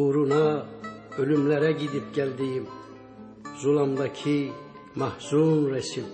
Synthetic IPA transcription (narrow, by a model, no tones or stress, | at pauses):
uɾunɑ | ølymlæɾæɟid̪ip̚ɟælʲd̪ijim | zulˠɑmd̪ɑcʰi | mɑhzunɾɛsim